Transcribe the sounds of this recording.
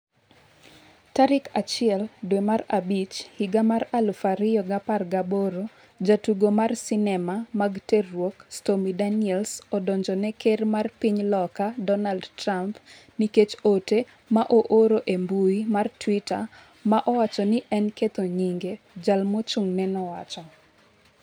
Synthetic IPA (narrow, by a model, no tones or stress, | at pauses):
taɾɪkat͡ʃɪɛldwemarabit͡ʃhiɡamaɾalfaɾɪjɔɡaparɡaboɾo | d͡ʒatuɡomarsɪnɛmamaɡterwokstomidaniɛlsɔdɔɲd͡ʒɔnɛkermarpiɲlɔkadɔnaldtramp | niket͡ʃote | maʔoʔoɾoʔembuimartwita | maʔɔwat͡ʃɔnɪʔɛnket̪oɲiŋɡe | d͡ʒalmot͡ʃuŋnɛnɔwa̰t͡ʃɔ